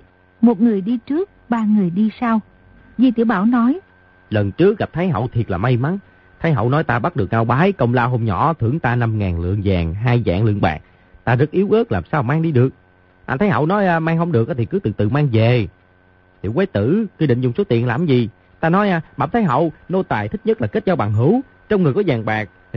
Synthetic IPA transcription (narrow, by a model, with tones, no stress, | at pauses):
mo˨˩t̚ŋɨ˨˩əjɗi˧t͡ɕɨ˦˥ək̚ɓaː˧ŋɨ˨˩əjɗi˧saː˧w | zi˨˩t̪ḭ˧˩əwɓaː˧˩wnɔ˨˦j | lə˨˩nt͡ɕɨ˦˥ək̚ɣa˨˩p̚t̪ʰə˨˦jɦə̰˧˨wt̪ʰi˨˩t̚laː˨˩ma˧jma˨˦n | t̪ʰa˨˦jɦə̰˧˨wnɔ˨˦jt̪aː˧ɓa˦˥t̚ɗɨ˨˩ək̚ʔa˧wɓaː˨˦jkə˧wŋ͡mlaː˧wɦo˧mɲɔ̰˧˩˦t̪ʰɨ˧˩əŋt̪aː˧na˧mŋaː˨˩nlɨ̰˧˨əŋzaː˨˩ŋɦaː˧jza̰ː˧˨ŋlɨ̰˧˨əŋɓa̰ː˨˩ŋ̚ | t̪aː˧zə˦˥k̚ʔi˨˦əwʔɨ˦˥ək̚laː˨˩msaː˧wmaː˧ŋɗi˧ɗɨ˨˩ək̚ | ʔaː˧˩t̪ʰə˨˦jɦə̰˧˨wnɔ˨˦jmaː˧ŋhə˧wŋ͡mɗɨ˨˩ək̚ʔt̪ʰi˨˩kɨ˨˦t̪ɨ̰˧˨˩t̪ɨ̰˧˨maː˧ŋve˨˩ | t̪ʰḭ˧˨əwaː˨˦jt̪ɨ̰˧˨kwi˧ɗḭ˧˨ŋ̟zʊ̰˨˧˩ŋ͡mso˦˥t̪ḭ˧˨ənlaː˨˩mzi˨˩ | t̪aː˧nɔ˨˦jʔɓaː˧˩wt̪ʰːjɦə̰˧˨wno˧t̪aː˨˩jt̪ʰï˦˥k̚ɲə˦˥t̚laː˨˩ke˦˥t̚zɔ˨˧˦ɓaː˨˩ŋɦɨ˧˥˦w | t͡ɕɔ˧wŋ͡mŋɨ˨˩əjkɔ˨˦zaː˨˩ŋɓaː˨˩k̚